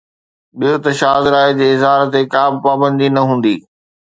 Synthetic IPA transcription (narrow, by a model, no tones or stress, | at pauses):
ɓijot̪ɐʃaːzɾaːjd͡ʑeːɪzɦaːɾət̪ekaːb̚paːbə̃nd̪inɐɦũːn̆d̪iː